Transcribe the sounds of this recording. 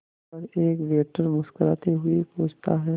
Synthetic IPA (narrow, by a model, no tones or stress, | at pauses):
ɐɾeːkʋeːʈəɾmʊskəɾa̰ːt̪eɦʊipõːd͡ʒt̪aɦɛː